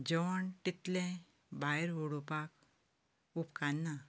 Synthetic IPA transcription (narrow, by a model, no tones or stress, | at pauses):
d͡ʒɔʋəɳʈit̪lẽ | bajɾɦoɽupak | upkanːa